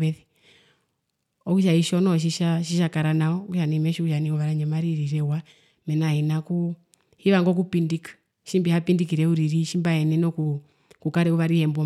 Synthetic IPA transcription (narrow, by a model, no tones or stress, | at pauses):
ɛði | ɔkuʃaiʃɔnɔʃ̬iʃaʃiʃakaɾanaɔkuʃanimɛʃikuʃaniuʋaɾaɲɛmaɾiɾiɾɛwa | mɛnainaku | hiʋaŋɡɔk̬upindikḁ | ʃimbihapindikiɾɛuɾiɾiʃimbaɛnɛnɔku | kukaɾɛuβaɾihɛmbɔ